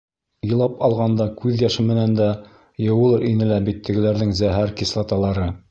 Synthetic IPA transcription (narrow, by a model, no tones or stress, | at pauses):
jɤ̆lˠɑpɑlˠʁɑnd̪ɑkʉðjɑʃɘmɘ̆nænd̪æ | jɤ̆wɤ̆lˠɤɾinɘlæbit̪ʰːɘ̆ɡɘ̆læɾðɘŋzæɦæɾkislˠɑt̪ɑlˠɑɾɤ